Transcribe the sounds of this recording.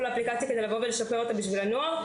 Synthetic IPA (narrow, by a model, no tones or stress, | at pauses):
leːplikat͡sjakeelavo̞veleʃape̞ʁo̞t̪abiʃvilanoaʁ